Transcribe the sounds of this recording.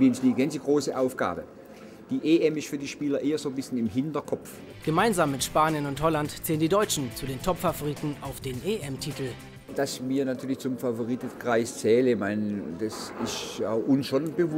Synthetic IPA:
miːɪnsdiːɡɛnsdiɡʁoːsəʔaʊfɡ̥a̰ːbə | d̥iːʔeʔɛmɪstfyːɐdiːʃpiːlɐʔeːɐzoːbɪsçənɪmɦɪntɐkʰɔf | ɡ̥əmaɪnzaːmːɪtʃpaːnjənʊnthɔlantt͡sɛːləndidɔʏt͡ʃn̩t͡suːdeːntʰɔpfavoʁiːtn̩aʊfd̥eːnʔeʔɛmtʰiːtl̩ | d̥asmiːɐnatʰyːɐlɪçt͡sʊmfavoʁitkʁ̥aɪst͡sɛːləɪçmaɪnd̥asɪsta̰ʊʔʊnsʃonb̥əv

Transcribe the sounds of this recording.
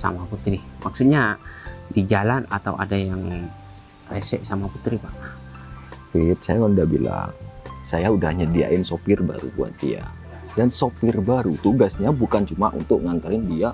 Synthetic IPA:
sa̰maput̪ɾimaksut̪̚ɲadid͡ʒalana̰t̪awʔa̰dajaŋ | rḛsɛ̰ʔsamaput̪ɾipaʔ | fit̪̚sajawanudahbila̰ŋsajaudahɲadia̰ʔɪnsopɪrba̰ɾṵbua̰nt̪ḭja̰ | dansopɪrbaɾut̪uɡasɲabukant͡ʃumaʔṵnt̪ʊk̚ŋant̪aɾɪndia

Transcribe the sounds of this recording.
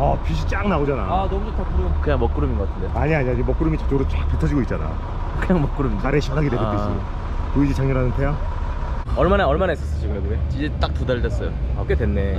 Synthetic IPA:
ʌpiɕʰit͡ɕ͈aŋnaod͡ʑana̰anʌmutʰapukɯɲaŋmʌk͈ɯɾuminŋɡʌk͈atʰɯndeaɲiaɲiad͡ʑimʌk͈ɯɾumit͡ɕḁt͡ɕ͈oɾot͡ɕak̚p͈etʰʌd͡ʑiɡoit̚t͡ɕ͈ana̰ | kɯɲaŋmʌk͈ɯɾumind͡ʑaɾeɕʰikʰaɡidweɡoes͈io | koid͡ʑit͡ɕaŋɲoɾɦanɯntʰeja | ʌɭmanaʌɭmanaes͈ʌs͈ʌd͡ʑʰoɡɯɾʌɡumeid͡ʑet͈ak̚tudaɭdwes͈ʌjoʌk͈edwenːe

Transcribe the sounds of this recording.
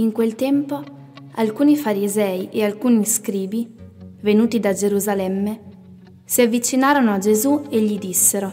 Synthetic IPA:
iŋkwelt̪ɛmpo | alkuːnifaɾizɛːiʔealkuːniskɾiːbivenuːt̪id̪ad͡ʒeɾuzalɛmːe | siavːit͡ʃinaːɾonoad͡ʒezueʎːid̪isːeɾo

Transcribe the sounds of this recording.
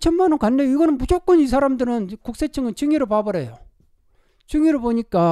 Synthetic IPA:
t͡ɕʰʌnmanʌnkanːejoiɡʌnɯnmud͡ʑok͈ʌnis̬ʰaɾamdɯɾɯnkuk̚s͈e̞t͡ɕʰɯŋɯnt͡ɕɯŋiɾɯɭpabʌɾe̞jo | t͡ɕɯŋiɾɯɭpoɲik͈a

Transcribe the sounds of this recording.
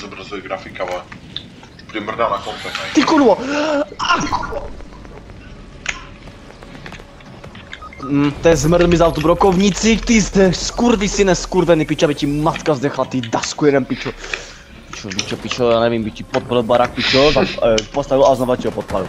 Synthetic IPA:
zɔbɾazuɛɡɾafikalɛ | pɾimr̩d̪anakɔmpɛt̪ɛt̪ikunvɔ | ak | t̪ɛzmrd̪mizawt̪ubɾɔkovɲit͡sit̪izd̪ɛskuɾvisinɛskuɾvɛnipit͡ʃabicimat̪kazd̪ɛxlat̪id̪askuɛɾɛmpit͡ʃɔ | pit͡ʃɔbit͡ʃɔpit͡ʃɔjaːnɛvimbicipɔt̪̚plɛbaɾak̚pit͡ʃɔt̪ampɔst̪avilaznɔvaciɦɔpɔt̪̚pla̰vḭl

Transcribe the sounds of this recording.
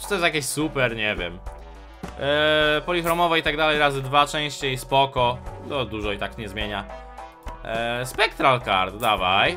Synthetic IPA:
ʈ͡ʂɨ̥t̪ɔjɛst̪jakʲeɕsupɛɾɲɛvʲjɛ̰m | pɔlʲixɾɔmɔvɔit̪aɡd̪alɛjɾazɘd̪vat͡ʂɛ̃w̃ɕt͡ɕespɔkɔt̪ɔd̪uʐɔit̪akɲɛzmʲjeɲa | spɛkt̪ɾalkaɾt̪d̪avaj

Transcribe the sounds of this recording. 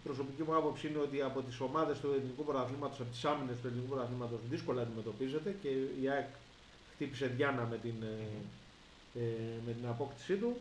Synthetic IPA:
ipɾo̞so̞picimuɐpo̞psiine̞o̞t̪iɐpo̞t̪iso̞mɐðe̞st̪ue̞linikupoɾɐθlimɐt̪osɐpit̪i̥sɐmine̞st̪uelinikupɾɐθlimɐt̪o̞sðisko̞lɐːnd̪ime̞t̪o̞pize̞t̪e̞ce̞iɐek | xt̪ipise̞ðʝɐnɐme̞t̪in | me̞t̪inɐpo̞kt̪i̥sit̪u

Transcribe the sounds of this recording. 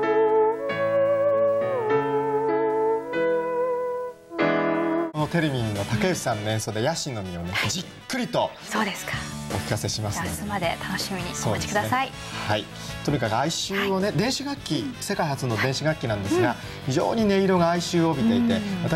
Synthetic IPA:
ono̞t̪e̞ɾemʲiɲino̞t̪ake̞ɯ̥sãnːoẽ̞so̞d̪e̞jaɕĩnːo̞mʲionod͡ʑikːɯ̟ɾʲit̪o̞ | soːd̪eskḁo̰kʲi̥kase̞ɕimassmad̪e̞t̪ano̞ɕimʲiɲ̟ioːai̥kɯd̪asai | hai | t̪oɲ̟ikakɯaiɕɨːo̞ne̞d̪ẽ̞ɰ̃ɕiɡakʲːise̞kaihat͡sɨno̞d̪ẽ̞ɕiɡakʲːinãnd̪e̞sɨɡa | çiʑo̞̰ːɲ̟ine̞iɾo̞ɡaːiɕɨːobʲit̪e̞it̪e̞βat̪a

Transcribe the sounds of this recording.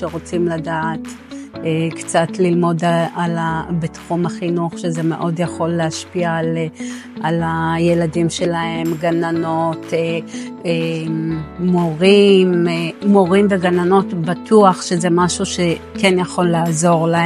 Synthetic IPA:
ʃeʁo̞t͡simladaːt | ekt͡satlilmo̞dalabitχumaχinuaχʃeze̞me̞̰ʔo̞djaχo̞lːeaʃpialʔalaje̞ladimʃe̞lahe̞mɡanano̞t | eː | o̞ʁimːo̞ʁimveɡanano̞tbatuaχʃe̞ze̞maʃuʃe | kenjaχo̞lːaːzo̞ʁlae

